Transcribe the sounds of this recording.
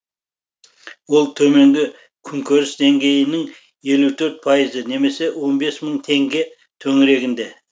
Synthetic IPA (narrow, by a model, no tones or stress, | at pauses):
wolˠt̪ʰɵme̞ŋɡʲɪ | kʲʰʏŋkʲʰøɾɪsd̪e̞ŋɡʲe̞jɪnɪŋ | je̞lut̪ʰɵɾt̪̚pʰɑjəzəne̞me̞se̞wo̞nbe̞sməɴt̪ʰe̞ŋɡʲe̞ | t̪ʰɵŋɪɾe̞ɡʲɪnd̪e̞